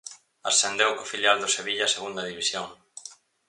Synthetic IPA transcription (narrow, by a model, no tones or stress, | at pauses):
asθend̪ewkofiljald̪ʊseβiʎaseɣund̪ɐðiβisjoŋ